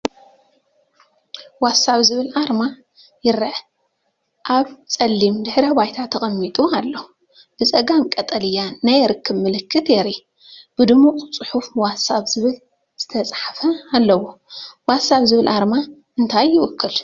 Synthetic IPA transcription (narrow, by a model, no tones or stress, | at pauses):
wasaβzɨβɨlʔaɾma | jɪɾɐʕ | ʔaβt͡sʼɐlːimd̪ɨħɾɐbajt̪ʰat̪ʰɐχʼɐmːit̪ʼualːo | b̥ɨt͡sʼɐɡamkʼɐt̪ʼɐlɨjːanajɾɨkʰːɨβmɨlɨkʰːɨt̪jɛɾi | b̥ɨd̪ɨmukʼt͡sʼɨħufwasaβzɨβɨl | z̥ɨt̪ʰɐt͡sʼħafɐalːɐwowasaβzɨβɨlʔaɾmaʔɨnt̪ʰajːɪwʊkʰːɨl